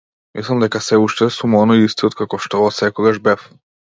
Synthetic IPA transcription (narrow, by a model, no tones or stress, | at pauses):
mislˠamd̪ɛkasɛuʃt̪ɛsumɔnɔiist̪iɔt̪kakɔʃt̪ɔsɛkɔɡaʒbɛf